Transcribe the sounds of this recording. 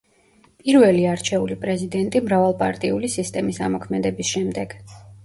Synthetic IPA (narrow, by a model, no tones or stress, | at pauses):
pʼiɾvɛliaɾt͡ʃʰɛulipʼɾɛzid̪ɛnt̪ʼimɾavalˠpʼa̰ɾt̪ʼiulisist̪ʼɛmisamɔkʰmɛd̪ɛbisʃɛmd̪ɛɡ̥